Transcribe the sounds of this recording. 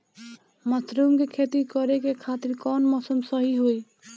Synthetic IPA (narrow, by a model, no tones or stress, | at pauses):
mət̪ɾumkekʰet̪ikɔɾekekʰat̪iɾkɔnmɔsəmsəɦiɦoj